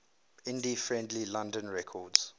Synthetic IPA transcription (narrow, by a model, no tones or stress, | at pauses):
ɪ̃ndifɹɛ̃ndlilãndə̃nɹɛkʰɔdz̥